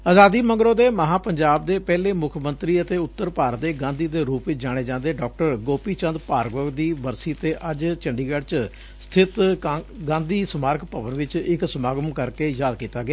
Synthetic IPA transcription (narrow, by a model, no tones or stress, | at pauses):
aːzaːd̪iːmə̃ŋɡɾõːd̪eːməɦãːpəɲd͡ʒaːb̚d̪eːpɛːleːmʊkʰmənt̪ɾiːət̪eːʊt̪ːəɾpaːɾət̪̚d̪eːɡãːnd̪iːd̪eːɾuːpʋɪt͡ʃd͡ʒãːɽ̃eːd͡ʒãːnd̪eːɖɔːk̚ʈəɾɡoːpiːt͡ʃə̃nd̪paːɾɡʋəɡd̪iːbəɾsiːət̪eːʔəd͡ʒt͡ʃəɳɖiːɡəɖt͡ʃ | st̪ʰɪt̪ɡãːnd̪iːsəmaːɾkʰpəʋənʋɪt͡ʃɪksəmaːɡəmkəɾkeːjaːd̪kiːt̪aːɡɪaː